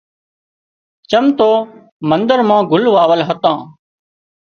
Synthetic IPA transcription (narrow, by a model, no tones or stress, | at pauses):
t͡ʃəmt̪oː | mənd̪əɾmãːɡʊlʋaːʋəlɦət̪ãː